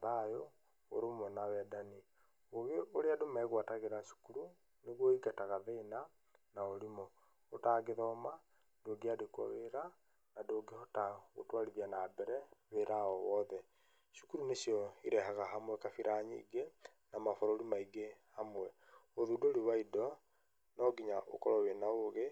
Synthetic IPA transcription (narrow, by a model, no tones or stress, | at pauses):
ɾajo | o̰ɾomwɛnawɛdani | oɣeoɾeadomaɛɣwataɣeɾaʃu̥kuɾu | neɣoikataɣaðeːna | naoɾimɔ | otaːɡeðɔːma | d̥oɡeadekwa̰weɾa | nadoɡehotaɣo̰twaɾiðianaːbɛɾɛβeɾaɔwɔðɛ | ʃu̥kuɾunesjɔiɾɛɦaɣaɦamwɛkafiɾʔaɲḭɡe | namafɔɾoɾimaiɡehamwɛ | oðudoɾiwaidɔ | nɔɡiɲaʔo̰kɔɾɔwenaoɣe